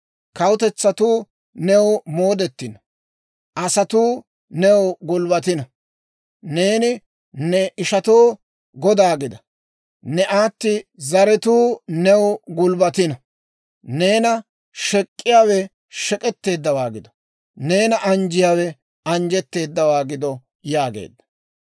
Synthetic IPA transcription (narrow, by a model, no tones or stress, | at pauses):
kɐwʊt̪ɛt͡sːɐt̪uː | nɛwmoːd̪ɛt̪ːɪnɐ | ʔɐsɐt̪uː | nɛwɡʊlbɐt̪ɪnɐ | ne̞ːnɪ | nɛʔɪʃɐt̪oː | ɡɔd̪aːɡɪd̪ɐ | nɛʔaːt̪ːɪzɐɾɛt̪uːnɛwɡʊlbɐt̪ɪnɐ | neːnɐ | ʃɛkʼːɪjaːwɛ | ʃɛkʼɛt̪ːe̞ːd̪ːɐwaːɡɪd̪ɔ̥ | ne̞ːnɐʔɐnd͡ʒɪjaːwɛ | ɐnd͡ʒɛt̪ːe̞ːd̪ːɐwaːɡɪd̪ɔ | jaːɡḛːd̪ːɐ̥